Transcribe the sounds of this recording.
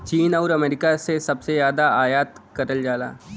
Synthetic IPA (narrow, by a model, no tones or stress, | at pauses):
t͡ʃiːnaʊɾɐmeːɾɪkasesɐbsejjaːd̪aaːjaːt̪kɐɾəld͡ʒaːla̰ː